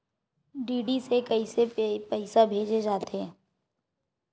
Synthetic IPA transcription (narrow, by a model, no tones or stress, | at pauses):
ɖiːɖisekɐisepɛɪsabʱeːd͡ʒed͡ʒaːt̪eɛ̃ː